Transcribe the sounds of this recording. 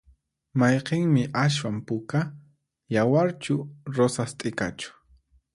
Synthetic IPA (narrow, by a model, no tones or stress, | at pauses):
majqeŋmɪʔaʃ̬wampʊka | jawaɾt͡ʃʊɾosast̪ʼɪka̰t͡ʃʊ̥